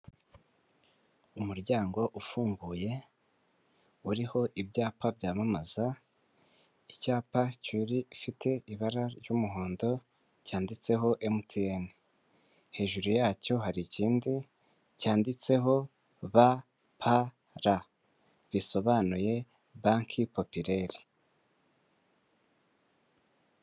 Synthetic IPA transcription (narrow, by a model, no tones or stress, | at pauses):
umuɾɟaːŋɡo̞ʔufuːŋɡuːje̞ | uɾiho̞ʔibjaːpabjaːmamaza | icaːpacwiɾifitʰe̞iβaɾaɾjumuɦoːndo̞ | caːndit͡se̞ɦo̞ʔemutʰieni | he̞ːʒuɾujaːco̞ɦaɾiciːndi | caːndit͡se̞ɦo̞ | βa | pʰa | ɾa | βiso̞βanuje̞ | βaŋkʰipo̞piɾe̞ɾi̥